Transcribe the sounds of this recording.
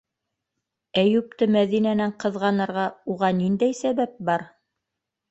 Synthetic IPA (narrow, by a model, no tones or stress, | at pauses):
æjʉp̚t̪ɤmæðinænæɴqɤ̆ðʁɑnɤ̆ɾʁɑuʁɑnind̪æjsæβæp̚bɑɾ